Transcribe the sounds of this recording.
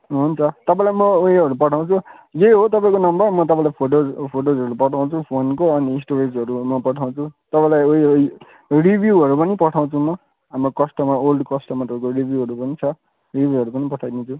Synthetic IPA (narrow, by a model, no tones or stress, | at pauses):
ɦunt͡sʰʌt̪ʌpaĩlajmʌoɦiɦʌɾupʌʈʰaw̃t͡sʰujeɦot̪ʌpãĩkonʌmbʌrmʌt̪̬ʌpãĩlajpʰoʈopʰoʈozɦʌɾupʌʈʰaw̃t͡sʰupʰonkoʌniːsʈoɾesʌɾumʌpʌʈʰaw̃t͡sʰut̪ʌpãĩlajoi | ribʱjuɦʌɾupʌnipʌʈʰaw̃t͡sʰumʌ | ɦamrokʌsʈʌmaolɖkʌsʈʌmat̪ʌpãĩkoribʱjuɦʌɾupʌnit͡sʰʌ | ribʱjuɦʌɾupʌnipʌʈʰajd̪it͡sʰu